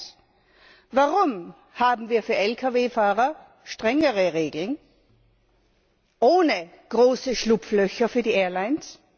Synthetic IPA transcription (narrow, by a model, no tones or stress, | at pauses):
vaʁʊm | haːbm̩viːɐfyːɐɛlkʰaveːfaːʁɐ | ʃtʁ̥ɛŋəʁəʁeːɡl̩n | ʔoːnə | ɡ̥ʁoːsəʃlʊpflœçɐfyːɐdiːʔɛːɐlaɪns